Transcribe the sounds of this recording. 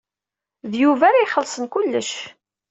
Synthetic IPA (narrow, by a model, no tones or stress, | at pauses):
ðjuvæɾiχəlsˤənkulːəʃ